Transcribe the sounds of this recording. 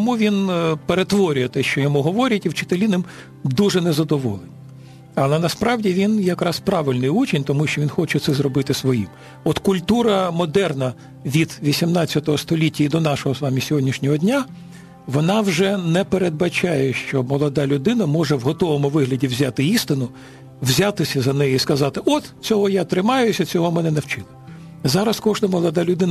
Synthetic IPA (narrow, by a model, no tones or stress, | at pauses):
ɔmuʋʲinpeɾet̪ʋɔɾʲʊjɛt̪ɛʃt͡ʃɔjɔmuɦɔʋɔɾʲɐtʲiwt͡ʃɪ̥t̪elʲinɪm | d̪uʐɛnɛzɐd̪ɔʋɔlˠenɐ | ɐlˠɛnɐspɾɑwdʲiʋʲinjɐkɾɑspɾɑʋɪlʲnɪjut͡ʃʲinʲt̪ɔmuʃt͡ʃɔʋʲinxɔt͡ʃɛt̪sɛzrɔbɪt̪ɪsʋɔjḭm | ɔt̪kʊlʲt̪uɾɐmɔd̪ɛrnɐ | ʋʲid̪ʋʲisʲimnɑt͡sʲːɐt̪ɔɦɔst̪ɔlʲitʲːɐid̪ɔnɑʃɔɦɔsʋɑmʲisʲɔɦɔdʲnʲiʃnʲɔɦɔdʲnʲa | ʋɔnɑwʒɛnɛpeɾed̪̚bɐt͡ʃɑjɛʃt͡ʃɔmɔlˠɔd̪ɑlʲʊd̪ɪnɐmɔʐɛwɦɔt̪ɔʋɔmʊʋɪɦlʲɐdʲiwzʲat̪ɪist̪ɪnʊ | wzʲat̪ɪsʲɐzɐnɛjɛiskɐzɑt̪ɪʔɔt̪t͡sʲɔɦɔjat̪ɾɪmɑjʊsʲɐt͡sʲɔɦɔmɛnɛnɐwt͡ʃɪlˠɐ | zɑɾɐskɔʒnɐmɔlˠɔd̪ɑlʲʊd̪ɪn